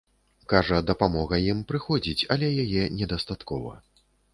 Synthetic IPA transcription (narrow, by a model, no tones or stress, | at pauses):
kaʐɐd̪ɐpamɔɣɐjimpɾɨxɔd͡zʲit͡sʲɐlʲɛjajɛnʲɛd̪ɐst̪at̪kɔvɐ̰